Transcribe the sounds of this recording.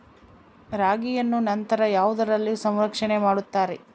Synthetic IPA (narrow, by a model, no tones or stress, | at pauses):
ɾaːɡijɐnːunɐnt̪ɐɾɐjaːʋud̪ɐɾɐlːisɐmɾɐkʂɐɳemaːɽut̪ːaːɾe